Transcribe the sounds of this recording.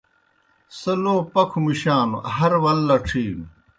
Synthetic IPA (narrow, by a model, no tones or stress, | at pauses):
sɐloːpɐkʰumiɕaːnṵɦɐɾwɐlːɐʈ͡ʂʰiːn